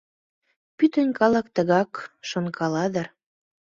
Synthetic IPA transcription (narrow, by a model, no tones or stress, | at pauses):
pyt̪ənʲkɑlɑkt̪ə̆ɣɑkʃonkʰɑlɑd̪ə̆r